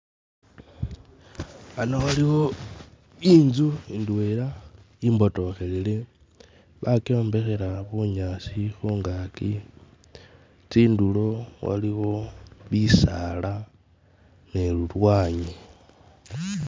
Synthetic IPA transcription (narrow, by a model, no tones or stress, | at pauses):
anowaliho | iːnzuindwela | imbo̞to̞xe̞lile | βakeoːmbe̞xe̞ɾaβuɲasixuːŋɡaki | tiːndulo̞wa̰liɣo̞βisala | ne̞lulwaːɲe